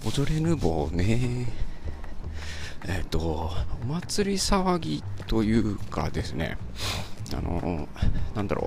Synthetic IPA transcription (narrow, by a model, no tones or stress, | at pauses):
od̪o̞ɾe̞ɾɯ̟boːne | et̪ːo̞omat͡sɨɾʲisaβaɡʲit̪o̞jɯ̟ːkʰa̰d̪e̞sɨne̞̰ | a̰no̰nãnd̪a̰ɾʔo̰ː